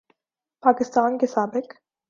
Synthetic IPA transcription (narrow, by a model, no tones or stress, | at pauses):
pʰaːkɪst̪aːnɡesaːbɪk